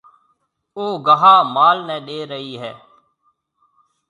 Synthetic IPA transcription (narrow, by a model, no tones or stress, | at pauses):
oːɡəɦaːmaːlnɛ̃ːɗeːɾəɦiːɦɛː